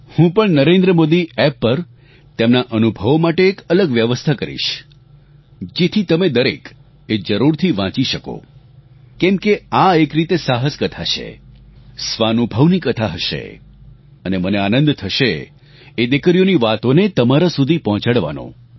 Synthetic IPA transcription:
hũpəɳnəɾẽnd̪ɾəmod̪iɛpːəɾ | t̪emnaʔənubʱəʋmaʈeːkələɡʋjəʋəst̪ʰakəɾḭʃ | d͡ʒet̪ʰit̪əmed̪əɾḛk | ed͡ʒəɾuɾt̪ʰiʋãt͡ʃiʃəko̰ | kɛ̃mkeaekɾit̪esaɦəskət̪ʰat͡ʃʰḛ | sʋanubʱəʋnikət̪ʰaɦəʃḛ | əneməneanə̃nd̪t̪ʰəʃe | ed̪ekəɾijoniʋat̪onet̪əmaɾasud̪ʱipɔɦɔ̃t͡ʃəɽʋa̰nõ̰

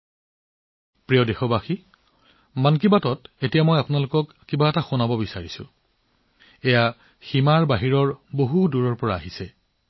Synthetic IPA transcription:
pɹijɔdexɔbaxi | mankibatɔtetijamɔjapʊnalʊkɔkːibaɛtaxunabɔbisaɹisʊ̰ | eja | ximaɹbaɦiɹɔɹboɦuduɹɔɹpɔɹaːɦisɛ

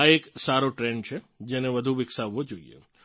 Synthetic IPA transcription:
aeksaɾoʈɾɛɳɖt͡ʃʰe | d͡ʒɛneʋəd̪ʱuʋɪksaʋod͡ʒoḭḛ

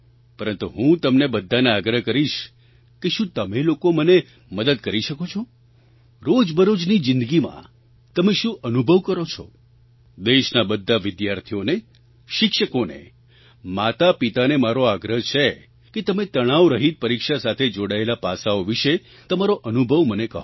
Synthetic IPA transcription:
pəɾənt̪uɦũt̪əmnebəd̪ʱːaneaɡɾəɦkəɾiʃ | keʃũt̪əmelokoməne | məd̪əd̪kəɾiʃəkot͡ʃʰo | ɾod͡ʒbəɾod͡ʒnid͡ʒɪnd̪əɡimã̰ | t̪əmeʃũʔənubʱəʋkəɾot͡ʃʰɔ̰ | d̪eʃnabəd̪ʱːaʋɪd̪jaɾt̪ʰijone | ʃɪkʃəkonḛ | mat̪apit̪anemaɾoaɡɾəɦt͡ʃʰe | ket̪əmẽt̪əɽ̃aʋɾəɦit̪̚pəɾikʃasat̪ʰed͡ʒoɽaelapasaoʋiʃe | t̪əmaɾoʔənubʱəʋmənekəɦo

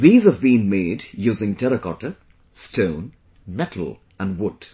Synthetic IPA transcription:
ðiːzəvbĩnmeɪdjuːzɪ̃ŋtʰɛɾəkɔʈə | stʰõʊ̃n | mɛtʰl̩ˠ | ə̃nwʊd̥

